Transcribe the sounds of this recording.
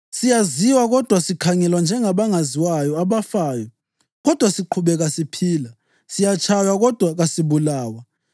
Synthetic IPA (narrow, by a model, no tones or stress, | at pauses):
sijaziwaɣɔd̥ʱwasikʰaŋɛlwand͡ʒʱɛŋaβaŋaziwajɔaβafaːjɔ | ɣɔd̥ʱwasiǃʰuβɛɣasipʰiːla | sijat͡ʃʰʼajwaɣɔd̥ʱwaɣasiβulaːwa